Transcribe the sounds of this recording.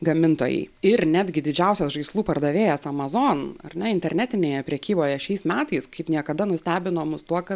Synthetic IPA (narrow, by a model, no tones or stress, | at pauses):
ɡɐmʲɪnt̪oːjɛ̰ɪɪɾnʲæːd̪ʲɡʲɪd̪ʲɪd͡ʒʲɛʊsʲɛsʒɐɪslˠuːpɐrd̪ɐʋʲeːjɛsɐmɐzoːnɐ̰rnʲɛɪnʲt̪ʲɛɾʲnʲæːt̪ʲɪnʲeːjɛpʲɾʲɛkʲiːboːjɛʃʲɛɪsmʲæːt̪ɐɪskɐɪpnʲiɛkɐd̪ɐnʊsʲt̪ʲæːbʲɪnoːmʊst̪uɔkɐt